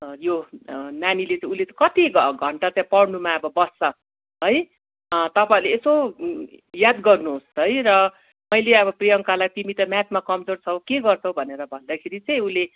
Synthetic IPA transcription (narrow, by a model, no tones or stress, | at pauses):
jonanilet͡sʌĩulet̪ʌkʌt̪iɡɡʱʌɳʈat͡sjãpʌɽnumaʌbʌbʌsʌ | ɦʌj | t̪ʌpaĩleeso | jad̪ɡʌrnuɦostʌjɾʌ | mʌjleʌbʌprijʌŋkalait̪imit̪ʌmjat̪makʌmd͡zort͡sʰʌkeɡʌrt͡sʰʌw̃bʱʌneɾʌbʱʌnd̪akʰeɾit͡sʌj̃ule